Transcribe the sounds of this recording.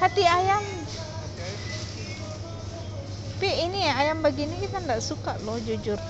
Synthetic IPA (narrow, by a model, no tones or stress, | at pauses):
hat̪iajam | piiniaajambaɡinikit̪andaʔsukaʔlɔhd͡ʒud͡ʒʊr